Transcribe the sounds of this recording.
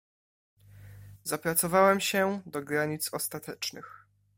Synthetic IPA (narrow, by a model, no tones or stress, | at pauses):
zapɾat̪sɔvawɛmɕɛd̪ɔɡɾaɲit̪sɔst̪at̪ɛt͡ʂnɘx